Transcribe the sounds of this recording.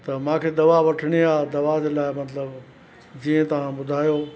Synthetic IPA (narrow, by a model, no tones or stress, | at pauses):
t̪ɐmãːkʰed̪ɐʋaʋɐʈʰəɽ̃iaːd̪ɐʋad͡ʑelaːɪmɐt̪ləb | d͡ʑiːə̃t̪ɐʋ̤ãbʊd̪ʱaːjoː